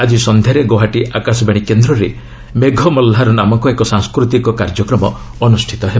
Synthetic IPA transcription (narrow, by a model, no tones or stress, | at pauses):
ad͡ʒisɔnd̪ʱeɾeɡoɦaʈiʔakasɔbaɽ̃ikend̪ɾɔɾe | meɡʱɔmɔlːɦaɾɔnamɔŋkɔekɔsaŋskɾut̪ikɔkaɾd͡ʒɔkɾɔmɔ | ɔnusʈʰit̪ɔɦebɔ